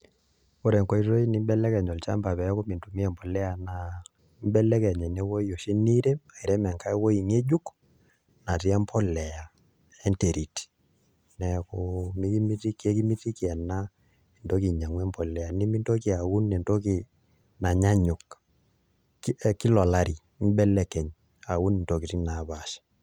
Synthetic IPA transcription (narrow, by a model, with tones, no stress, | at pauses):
o˦ɾɛ˨ŋkɔ˦i˦to˦i˦ni˦mbɛ˦lɛ˦kɛ˨ɲɔ˨lt͡ʃa̰˦mba˨pɛ˨jɔ˦ko˦mi˨ntu˨mi˦ɛ˨mbɔ˨lɛ˦a˨na˨ | m˦bɛ˦lɛ˦kɛ˨ɲɛ˨nɛ˦wo˦jo˨ʃe˦ni˦ɾe˦a˨i˨ɾɛ˦mɛ˨ŋka˦ɛ˦wo˦i˨ŋe˦d͡ʒu˦k | na˨ti˦ɛ˦mpʰɔ˦lɛ˨ja˨ | ɛ˦nte˨ɾi˨ti̥˨ | nɛ˨komi˦ki˦mi˦ti˦kɛ˦ki˦mi˦ti˦ki˨ɛ˨na˦ | i˨ndo˦ki˨ɲa˨ŋwɛ˦mpɔ˨lɛ˨a˨ni˦mi˦nto˦ki˨a˨wu˦nːɛ˨nto˦ki˨ | na˨ɲa˦ɲʊ˨k | ki˦lɔ˨la˦ɾi˨˦m˦bɛ˦lɛ˦kɛ˨ɲ | a˨wu˦ni˨nto˨ki˨ti˦na˨˦ba˨ʃɛ̥˨